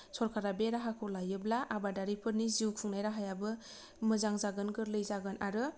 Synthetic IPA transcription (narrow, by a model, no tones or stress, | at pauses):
sɔɾkʰaɾabeɾaɦakʰɔlajɯblaʔabadaɾipʰɯɾniziwkʰɯŋnajɾaɦajabɯ | mɯzaŋzaɡɯnɡɯɾlɯjzaɡɯnʔaɾɯ